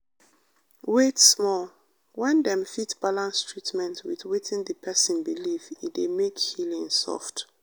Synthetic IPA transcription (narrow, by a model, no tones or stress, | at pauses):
wetsmɔl | wɛ̃ndɛ̃mfitb̥alãnstʰɹitmɛ̃ntwiθwitʰĩndəpʰɛsɔ̃nbilividemekhilĩŋsɔ̰ft